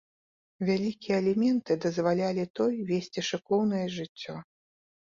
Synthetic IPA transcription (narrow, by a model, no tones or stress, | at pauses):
vʲalʲikʲijɛɐlʲimʲɛnt̪ɨd̪ɐzvalʲalʲit̪ɔjvʲesʲt͡sʲiʂɨkɔwnɐjɛʐɨt͡sʲːɔ